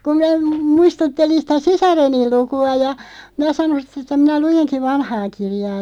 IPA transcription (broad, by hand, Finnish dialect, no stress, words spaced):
kum mĭnæ m muistutːelin sitæ sisɑrenil̆ lukuɑ jɑ minæ sɑnon̞ sit̆ etːæ minæ lujenki ʋɑnhɑː kirjɑː